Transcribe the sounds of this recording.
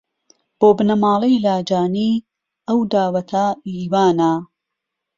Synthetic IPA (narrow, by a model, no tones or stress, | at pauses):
b̥oːbɨnɐmaːlˠɐjlaːd͡ʒaːniː | ɐwd̪aːwɐt̪ʰɐiːwaːnɐ